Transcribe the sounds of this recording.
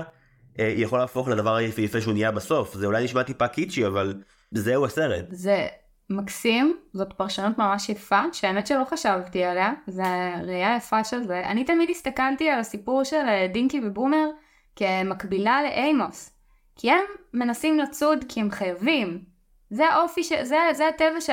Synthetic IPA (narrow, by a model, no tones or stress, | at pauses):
ʔejaχo̞laːfo̞χladɐvaʁajfejafeʃunijabaso̞fzeulajniʃmatipakit͡ʃiaval | zeuaseʁḛt̪ze̞ | maksimzo̞t̪paʁʃanutmamaʃjefaʃeametʃelo̞χaʃavtialeazeʁajajafaʃelzea̰nitamidist̪akaltialasipuʁʃeldiŋkibebumeʁ | kemakbilale̞ʔejmos | kʰiemːe̞nasimlat͡sudkihemχajavim | zeaʔo̞fiʃezezeatevaʃ